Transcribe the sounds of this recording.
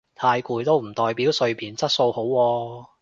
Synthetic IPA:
t̪ʰaː˧jkuː˧jt̪o˥wm̩˨˩t̪ɔː˨˧jpiː˨˥wsɵ˧ɥpʰiː˨nt͡sɐ˥t̚so˧who˨˥wːɔː˧

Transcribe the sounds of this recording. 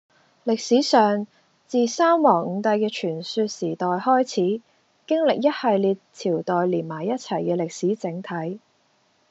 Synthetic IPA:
lɪ˨k̚siː˨˥sœː˨ŋ | t͡siː˨saː˥mwɔː˨˩ŋŋ̩˨˧ŋt̪ɐ˧jkɛː˧t͡ʃʰyː˨˩nsyː˧t̚siː˨˩t̪ɔː˨jhɔː˥jt͡sʰiː˨˥ | kɪ˥ŋlɪ˨k̚jɐ˥t̚hɐ˨jliː˧t̚t͡sʰiː˨˩wt̪ɔː˨jliː˨˩nmaː˨˩jɐ˥t̚t͡sʰɐ˨˩jkɛː˧lɪ˨k̚siː˨˥t͡sɪ˨˥ŋt̪ʰɐ˨˥j

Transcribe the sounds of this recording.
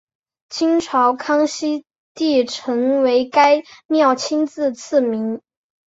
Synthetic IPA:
t͡ɕʰi˥ŋʈ͡ʂʰɑ˧˥ʊkʰɑ˥ŋɕi˥ | t̪i˥˩ʈ͡ʂʰɤ˧˥ŋwe˧˥ɪka˥ɪmjɑ˥˩ʊt͡ɕʰi˥nt͡sɹ̩˥˧t͡s̩ʰ˥˩mi˧˥ŋ

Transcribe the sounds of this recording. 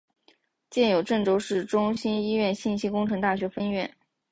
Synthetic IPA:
t͡ɕjɛ˥˩njo˨˩ʊʈ͡ʂɤ˥˩ŋʈ͡ʂo˥ʊʂɻ̩˥˩ʈ͡ʂʊ˥ŋɕi˥ni˥ɥɛ˥˧nɕi˥˩nɕi˥kʊ˥ŋʈ͡ʂʰɤ˧˥ŋt̪a˥˩ɕɥɛ˧˥fə˥nɥɛ˥˩n

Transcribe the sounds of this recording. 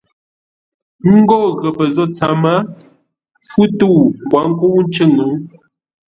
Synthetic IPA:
ŋ̩˦ɡɔ˦˨ɣə˨pə˨zɔ˦t͡sa˨ma˦ | fu˦tu˦˨kwa˨˦ŋ̩˦ku˦n̩˦t͡ʃə˦˨ŋə˨˦

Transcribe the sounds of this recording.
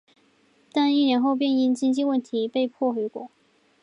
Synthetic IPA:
t̪a˥˧ni˥˩njɛ˧˥nxo˥˧ʊp̬jɛ˥˧ni˥˧ŋt͡ɕi˥nt͡ɕi˥˧wə˥˩nt̪ʰi˧˥pe˥˧ɪpʰwɔ˥˩xwe˧˥kwɔ˥˩

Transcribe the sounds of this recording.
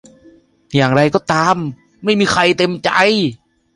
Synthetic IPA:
jaː˨˩ŋɾa˧jkɔː˥˩t̪aː˧mː | a˥˩jmiː˧kʰa˧jt̪e˧mt͡ɕa˧j

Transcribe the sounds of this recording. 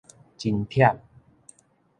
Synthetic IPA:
t͡ɕi˧nt̪ʰi˥˩ɐəp̚

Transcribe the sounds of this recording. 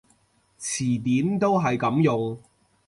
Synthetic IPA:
t͡sʰiː˨˩t̪iː˨˥mt̪o˥wɦɐ˨jkɐ˨˥mjʊ˨ŋ

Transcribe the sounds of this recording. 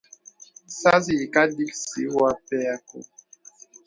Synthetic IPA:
sa˦zi˨ka˦di˦ksi˨˦wa˦pɛ˦a˦ko̰˨

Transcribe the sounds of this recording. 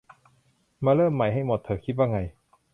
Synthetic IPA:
maː˧lɤː˥˩mːa˨˩jɦa˥˩jmo˨˩t̪ʰːɤː˧˩kʰi˦t̪̚waː˥˩ŋa˧j

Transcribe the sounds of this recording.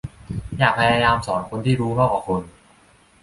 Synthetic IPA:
jaː˨˩k̚pʰa˧jaː˧jaː˧msɔː˩˦nkʰo˧nt̪ʰiː˥˩ɾuː˦˥ŋɔː˥˩k̚waː˨˩kʰo˧n

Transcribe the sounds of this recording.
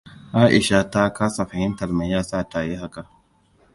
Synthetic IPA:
ʔaː˦ʔɪ˨ʃa˦ta˦ka˦sa˨fa˨hɪ˦ntɐ˨ɾma˨jaː˦sa˦˨taː˨je˦ɦa˦ka˨

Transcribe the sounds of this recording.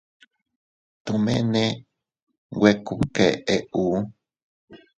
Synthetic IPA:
t̪u˨mẽ˦nẽ˦ | we˧ku˨ke˨ʔe˨ʔu˦

